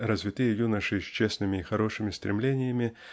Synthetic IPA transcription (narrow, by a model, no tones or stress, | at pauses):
ɾɐzʲvʲɪt̪ɨjɛjunəʂɨɕʲt͡ɕesnɨmʲɪːxaɾɔʂɨmʲɪst̪ɾʲɪmlʲenʲɪjəmʲɪ